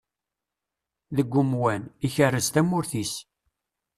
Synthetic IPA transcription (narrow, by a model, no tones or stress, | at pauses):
ðəɡʷːʊmwæniçərːəzt̪æmːʊɾθis